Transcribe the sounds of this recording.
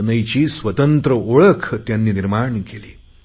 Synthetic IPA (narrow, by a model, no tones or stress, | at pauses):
nəjt͡ɕiːsʋət̪ənt̪ɾəoɭəkʰt̪janːiːniɾmaɳkeliː